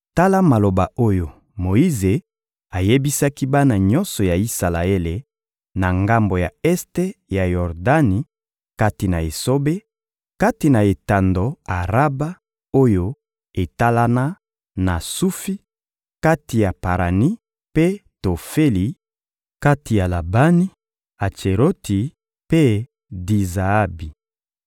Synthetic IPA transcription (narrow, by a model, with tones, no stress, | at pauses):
ta˦la˦ma˨lo˨ba˨o˦jo˨ | mo˨i˦ze˨ | a˨je˦bi˦sa˦ki˦ba˦na˨ɲɔ˦nsɔ˨ja˨i˦sa˨la˨e˦le˨ | na˨ŋɡa˦mbo˨ja˨ɛ˦ste˦ja˨jɔ˨ʁda˦ni˨ | ka˦ti˨na̰˨e˨so˦be˦ | ka˦ti˨na˨e˨ta˨ndo˨a˨ʁa˦ba˦ | o˦jo˦ | e˨ta˦la˦na˦ | na˨su˦fi˦ | ka˦ti˨ja˨pa˨ʁa˨ni˦ | pe˦to˨fe˦li˨ | ka˦ti˨ja˨la˨ba˦ni˦ | a˨t͡ʃe˨ɾo˦tʰi˨ | pe˦ | di˨za˨a˦bi˨